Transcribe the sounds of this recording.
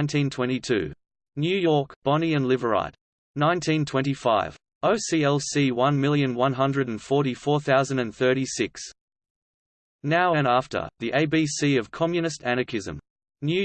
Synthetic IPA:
ɪ̃ntʰĩntʰw̥ɛ̃ñtitʰʉ̰ | njʉjɔɹkb̥ɑniɨ̃nlɪvə˞a̰ɪt | nãɪ̃ntʰĩntʰw̥ɛ̃ntifaɪv̥ | əʊsiɛlˠsiwʌ̃nmɪlˠjɨ̃nwʌ̃nɦʌ̃ndɹɨɾ̃n̩fɔɹɾifɔɹθaʊzɨ̃ndɨ̃nθɜ˞ɾisɪks | naʊɨ̃næftə̰˞ðiʔeɪbisiʌv̥kʰɑmjɨnɨstʰænəkʰɪzɨ̰̃m | njʉ

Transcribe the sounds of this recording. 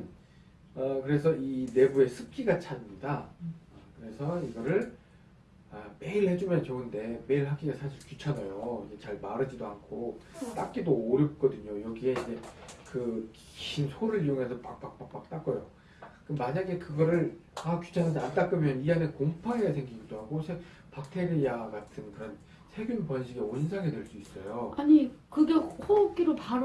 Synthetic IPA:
ʌkɯɾe̞s̬ʰʌine̞bue̞sʰɯp̚k͈iɡat͡ɕʰanmɲida | kɯɾe̞sʰʌiɡʌɾɯɭ | ame̞iɭhe̞d͡ʑumjʌnt͡ɕoɯnde̞me̞iɭɦak͈iɡasʰaɕʰiɭkjut͡ɕʰanajoid͡ʑe̞t͡ɕaɭmaɾɯd͡ʑidoɦankʰot͈ak̚k͈idoːɾjʌp̚k͈ʌdɯɲojʌɡie̞ind͡ʑe̞kɯk | ɕinsʰoɾɯɭioŋɦe̞s̬ʰʌpak̚p͈ak̚p͈ak̚p͈ak̚t͈ak͈ʌjo | k͈ɯmaɲaɡe̞kɯɡʌɾɯɭakju̥t͡ɕʰanas̬ʰant͈ak͈ɯmjʌnianekoŋpʰaejasʰeŋɡiɡidoɦaɡosʰe | pak̚tʰe̞ɾijaɡatʰɯnkɯɾʌn | sʰe̞ɡjunpʌnɕʰiɡeoinsʰaŋedwe̞ɭs͈uis͈ʌjoaɲikɯɡe̞hok͈iɾopaɾ

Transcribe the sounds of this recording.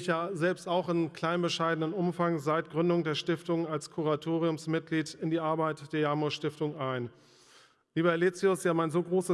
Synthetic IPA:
çjaːzɛlpstaʊxɪnkʰl̥aɪnbəʃaɪdənənʔʊmfaŋzaɪtɡ̥ʁʏndʊŋdeːɐʃtɪftʊŋalskʰuʁatʰoːʁiʊmsmɪt̚ɡ̥liːtɪndiːʔaɐbaɪtd̥eːɐjaːmoʃtɪftʊŋʔaɪn | liːbəɛliːt͡siʊsjaːmaɪnzoːɡʁoːsə

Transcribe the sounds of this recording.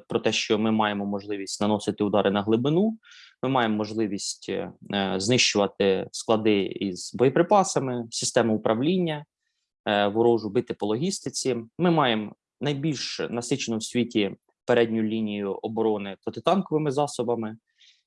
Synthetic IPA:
pɾɔt̪ɛʃt͡ʃɔmɪmɑjemɔmɔʒlˠɪʋʲisʲtʲnɐnɔsɪt̪ɪʊd̪ɑɾʔɪnɐɦlˠɪbɪnumɪmɑjemɔːɔʒlˠɪʋʲisʲtʲ | znɪʃt͡ʃʊʋɐt̪ɪsklˠɐd̪ɪḭz̥bɔjɔpɾɪpɑsɐmɪsʲɪst̪ɛmʊʊpɾʔɐwlʲinʲːɐ | ʋʊɾɔʒʊbɪt̪ɪpɔlˠɔɦʲist̪ɪt͡sʲimɪmɑjem | nɐjbʲilʲʃnɐsɪt͡ʃenɔwsʲʋʲitʲi | peɾɛdʲnʲʊjlʲinʲijʊʔɔbɔɾɔnɪpɾɔt̪ɪt̪ɑnkɔʋɪmɪzɑsɔbɐmɪ

